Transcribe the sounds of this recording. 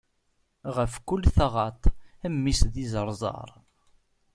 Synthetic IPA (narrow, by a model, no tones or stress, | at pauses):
ʁəfkʊlːθaʁɑt̪ˤəmːisðizəɾˤzˤɑ̰ɾˤ